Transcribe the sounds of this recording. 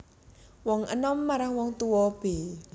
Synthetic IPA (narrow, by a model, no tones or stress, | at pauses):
wɔŋʔə̰nɔmːaɾaŋwɔŋt̪uwɔb̥e